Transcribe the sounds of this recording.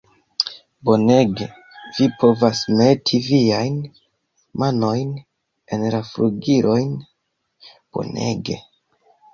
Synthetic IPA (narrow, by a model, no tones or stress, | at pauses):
bo̞ne̞ɡe̞ | vipo̞vasmetʰiviajn | mano̞jn | e̞nlafɾuɡiɾʔo̞jn | b̥o̞̰ne̞̰ɡe̞̰